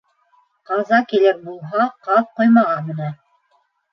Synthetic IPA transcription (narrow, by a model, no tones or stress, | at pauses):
qɑzɑkilɘɾbulˠɦɑqɑð̚qojmɑʁɑmɘ̆næ